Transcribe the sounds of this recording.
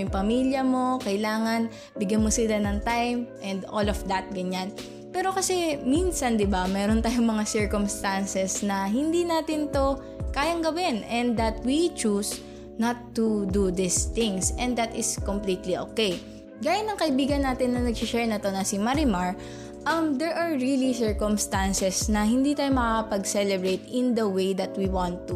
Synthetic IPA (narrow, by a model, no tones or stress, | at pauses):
ŋpɐmiljɐmo̞kɐjlaːŋɐn | bɪɡjɐnmosɪlanɐŋt̪ajmʔɛ̃nd̪ʔolofd̪ɐt̪̚ɡɐɲan | pɛːɾo̞kɐsɛminsɐnd̪ɪbamɛːɾont̪aːjoŋmɐŋasɛɹkomst̪ansɛsnɐɦɪnd̪inaːt̪ɪnt̪o̞ | kaːjɐŋɡɐwɪnɛnd̪d̪ɐt̪̚wit͡ʃus | nɐt̪ːud̪ud̪ɪst̪ɪŋsɛ̃nɐt̪ɪskomplit̪liʔoːkej | ɡaːjʊnːɐŋkɐʔɪbiːɡɐnːaːt̪ɪnːɐnɐɡ̚sɪʃɛɹnɐt̪o̞nɐsɪmɐɾɪmaɹ | ʔɐmd̪ɛɹʔɐɹɹilisɛɹkomst̪ansɛsnɐhɪnd̪iːt̪aːjomɐkakɐpɐɡsɛlɛbɹejt̪ɪnd̪ɐwejd̪ɐt̪̚wiwãnt̪ːu